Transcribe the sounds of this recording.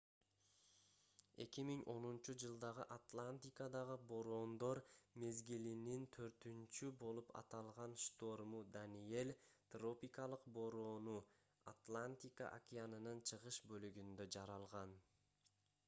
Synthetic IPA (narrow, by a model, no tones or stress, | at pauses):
e̞kimiŋʔo̞nunt͡ʃud͡ʒɯlˠd̪ɑʁɯʔat̪lˠanʲt̪ʲikad̪ɑʁɯbo̞ɾo̞ːnd̪o̞ɾme̞zɡilinint̪ʰø̞ɾt̪ynt͡ʃybo̞lˠupʰɑ̰t̪ɑlˠʁɑnʃt̪o̞rmud̪anie̞lʲt̪ro̞pʲikɑlˠɯqbo̞ɾo̞ːnu | a̰t̪lˠanʲt̪ʲika̰ʔa̰kʲianɯnɯnt͡ʃʰɯʁɯʃbø̞lyɡynd̪ø̞d͡ʒɑɾɑlˠʁɑn